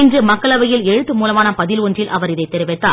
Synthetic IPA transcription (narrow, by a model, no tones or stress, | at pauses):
ɪndrɯmɐkːɐɭɐʋɐjɪlɛɻɯt̪ːɯmuːlɐmaːnɐpɐðɪlɔndrɪlʔɐ̰ʋɐɾɪðɐɪt̪ːɛɾɯʋɛt̪ːaː